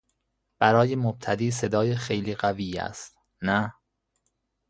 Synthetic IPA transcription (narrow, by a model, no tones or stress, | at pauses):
b̥æɾɒːjemob̥̚t̪ʰæd̪iːse̞d̪ɒːjexejliːɢæviːæ̰st̪̚ | næ